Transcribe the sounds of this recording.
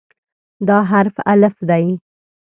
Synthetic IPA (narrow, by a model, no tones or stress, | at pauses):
d̪ɑɦaɾfa̰lafd̪aj